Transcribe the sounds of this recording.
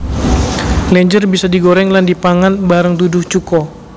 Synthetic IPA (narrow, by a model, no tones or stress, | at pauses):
lɛɲd͡ʒərbisadiɡoɾɛŋlandipaŋanbaɾəŋt̪udʊht͡ʃukɔ